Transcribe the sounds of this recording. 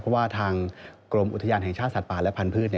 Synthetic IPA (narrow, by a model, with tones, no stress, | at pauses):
pʰɾɔ˦˥waː˥˩t̪ʰaː˧ŋkɾo˧mʔu˨˩t̪ʰjaː˧nɦɛ˨˩ŋt͡ɕʰaː˥˩t̪̚sa˨˩t̪̚paː˨˩lɛ˦˥pʰa˧npʰɯː˥˩t̪ni˥˩